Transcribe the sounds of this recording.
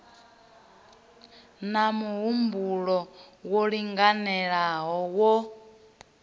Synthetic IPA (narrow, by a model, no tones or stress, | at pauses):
namuɦumbuɺɔwɔɺiŋɡanɛɺaɦɔwɔ